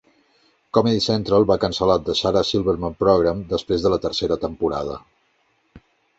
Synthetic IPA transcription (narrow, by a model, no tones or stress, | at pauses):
kɔmɛðisɛnt̪ɾəlˠβakənsəlat̪̚d̪əsaɾəsilˠβəɾməmpɾɔɣɾamd̪əspɾezðələt̪ərseɾət̪əmpuɾa̰ðə̰